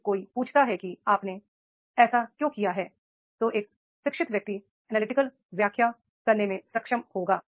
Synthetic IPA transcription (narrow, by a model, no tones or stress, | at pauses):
koːipuːt͡ʃʰt̪aɦɛkiaːpne | ɛːsakjõːkijaɦɛː | t̪oːʔeːk | ʃɪkʃɪt̪ʋjək̚t̪i | ɛnaːlɪʈɪkəl | ʋjaːkʰja | kɐɾnemẽsɐkʃəmhoːɡaː